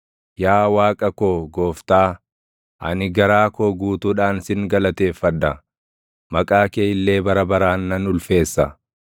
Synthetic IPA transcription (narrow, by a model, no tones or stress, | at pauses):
jaːwaːkʼɐkoːɡoːft̪aː | ʔɐ̰nɪɡɐɾaːkoːɡuːt̪uːᶑaːnsɪŋɡɐlɐt̪e̞ːfːɐd̪ːɐ | mɐkʼaːkeːɪlːe̞ːbɐɾɐbɐɾaːnːɐnʊlfe̞ːsːɐ